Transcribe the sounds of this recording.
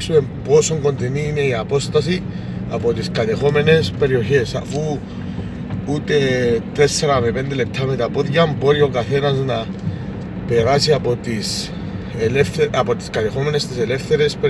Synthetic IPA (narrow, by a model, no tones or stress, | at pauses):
suembo̞so̞ŋɡont̪eniːne̞iapo̞st̪as̬i | apot̪iskat̪exo̞me̞ne̞spe̞ɾio̞çesa̰fu | ut̪e̞t̪ɾesːeɾamepend̪elep̚t̪ʰːamet̪apoðjamboɾio̞kaθe̞nasna | pe̞ɾasiapot̪is | lfapot̪i̥skat̪exo̞me̞nest̪isele̞fθe̞ɾe̞spe